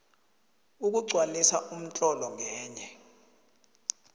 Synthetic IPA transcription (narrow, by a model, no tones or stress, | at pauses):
uk̬uǀʱwanisaʔum̩tʼɔlɔŋʱɛːɲɛ